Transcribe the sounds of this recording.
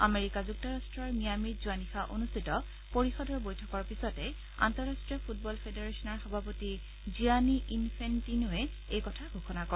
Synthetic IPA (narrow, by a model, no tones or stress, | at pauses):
ameɹikazuk̚tɔɹastɹɔɹmijamizuanixaʔo̰nustʰitɔ | poɹixɔdɔɹbojtʰɔkɔɹpisɔtɛ | a̰ntɔɹastɹijɔpʰut̚bɔlpʰedeɹesɔnɔɹxɔbʱapoti | zianiʔinpʰentinuɛ | ejkɔtʰaɡʱuxɔnakɔ